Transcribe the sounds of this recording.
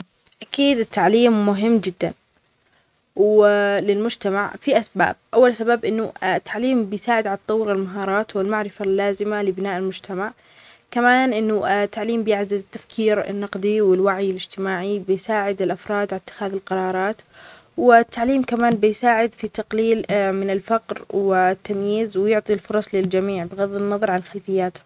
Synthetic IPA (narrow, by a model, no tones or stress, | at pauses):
ʔakiːd̪ɪt̪ːaʕliːmːʊɦɪmːd͡ʒɪd̪ːa̰n | wlɪlmʊd͡ʒt̪amaʕfiʔasba̰ːb̚ʔawːalsabaːbʔɪnːʊt̪ʰːaʕliːmbɪjsaːʕɪd̪ʕalɑt̪ˤːɑwːɾɪlmaɦɑːɾˤɑːt̪wɪlmaʕɾɪfalːaːzɪmalɪbɪnaːʔɪlmʊd͡ʒt̪ʰamaʕ | kamaːnʔɪnːʊt̪ːaʕliːmbɪjɪʕzalɪt̪ːafkʰiːɾɪ̰nːɑqd̪ˤiwɪlwaʕjɪlɪd͡ʒt̪ɪmaːʕibɪjsaːʕɪd̪ɪlʔafɾˤɑːd̪ʕalat̪ːɪ̥xaːðɪlqɑɾˤɑːɾˤɑːt̪ | wɪt̪ʰːaʕliːmkamaːnbɪjsaːʕɪd̪fit̪ːɑqliːlmɪnɪlfaqɾwɪt̪ːamjiːzwɪjʊʕt̪ˤilfʊɾˤɑsˤlɪld͡ʒamiːʕbɪɣaðːɪnːɑðˤɑɾˤʕanxalfɪjːaːt̪